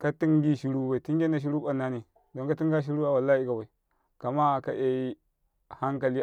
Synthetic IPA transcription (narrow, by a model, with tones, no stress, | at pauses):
ka˦ti˦ŋɡi˦ʃi˦ɾu˦ba˨i˨ti˦ŋɡʲe˦na˨ʃ̬i˦ɾu˦ɓa˨nːa˦ni˨ | do˨ŋka˦ti˦ŋɡa˦ʃ̬i˦ɾu˦a˨wa˨lːa˦i˦ka˨ba˨i˨ | ka˨ma˦˨ka˦ʔe˦i˦ | ha˦ŋka˨li˦